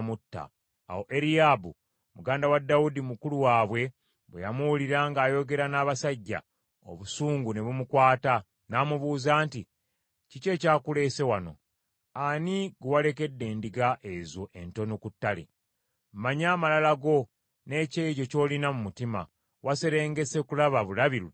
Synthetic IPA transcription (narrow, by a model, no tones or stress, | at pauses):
mutːa̰ː | wo̞ʔe̞ɾijabu | muɡaːndawadːawudimukuluwaːβwe̞ | βwḛjamuwuliɾaːŋɡaːjo̞ɡe̞ɾanaːβasaɟːa̰ | o̰βusuːŋɡune̞βumukwaːta | naːmuβuːzaːnti | cice̞ːcaːkule̞ːse̞wano̞̰ | aniɡuwale̞ke̞dːe̞ːndiɡaʔezoʔento̞nokutːalḛ | m̩maɲaːmalalaɡo̞ | ne̞ːceɟo̞co̞ːlinamumutima̰ | wase̞ɾe̞ːŋɡe̞se̞kulaβaβulaβiɾu